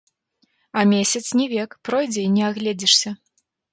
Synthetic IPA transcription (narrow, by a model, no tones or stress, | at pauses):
ɐmʲesʲɐt̪snʲɛvʲɛkpɾɔjd͡zʲɛinʲɛaɣlʲɛd͡zʲɛʂsʲɐ